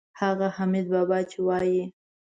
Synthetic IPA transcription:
haɣahamid̪̚bɑbɑt͡ʃewɑji

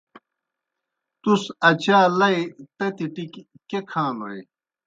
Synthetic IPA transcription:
t̪usɐt͡ɕaːlɐjt̪ɐt̪iʈik | kekʰãːnoḭ

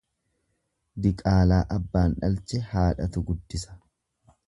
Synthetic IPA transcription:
d̪ɪkʼaːlaːʔɐbːaːnᶑɐlt͡ʃɛhaːᶑɐt̪ʊɡʊd̪ːɪsɐ̥

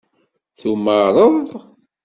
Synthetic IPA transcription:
θuməɾˤəðˤ

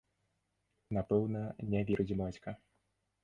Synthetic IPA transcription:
napɛwnɐnʲavʲiɾɨd͡zʲimɔt͡sʲkɐ

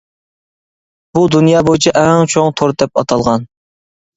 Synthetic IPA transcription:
b̥ud̪unjɑːbojit͡ʃʰɛʔɛŋt͡ʃʰoŋt̪ʰoɾd̪ɛpɑt̪ʰɑlˠʁɑn

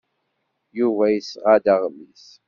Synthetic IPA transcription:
juvæjəsʁad̪aʁmis

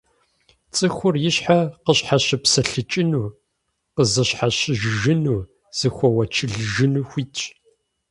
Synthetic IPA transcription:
t͡sʼɨxʷʊrjɪɕħaqəɕħaɕɪpsɐɬɨt͡ʃʼɪnuː | qəzɨɕħaɕɪʒʒɨnuː | z̥ɨxʷɔwɐt͡ʃʰɪɮʒɨnuːxʷiːtʼ

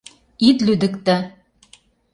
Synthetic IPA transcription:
it̪lʉd̪ɘ̆kt̪ɘ

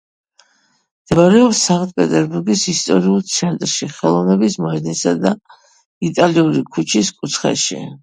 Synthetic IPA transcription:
md̪̥ʰɛaɾɛɔpsaχt̪̚ʰʼpʼɛt̪ʼɛɾbuɾɡisist̪ʼɔɾiulˠt̪sʰɛnt̪ʼɾʃiχɛlˠɔvnɛbismɔɛd̪nisad̪a | it̪ʼaliuɾikʰut͡ʃʰiskʼut̪sʰχɛ̰ʃḭ

